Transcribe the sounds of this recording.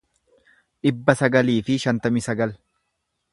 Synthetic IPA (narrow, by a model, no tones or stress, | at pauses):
ᶑɪbːɐsɐɡɐliːfɪʃɐnt̪ɐmɪsɐɡɐl